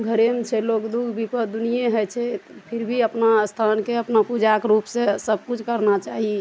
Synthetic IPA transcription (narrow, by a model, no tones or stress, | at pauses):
ɡʱəɾemt͡ʃʰɛlokd̪uɡʱbipəd̪unijeɦət͡ʃʰɛt̪pʰiɾbʱiəpnast̪ʰankeəpnapud͡ʒakɾupsẽsəb̚kut͡ʃʰkəɾnat͡ʃaɦi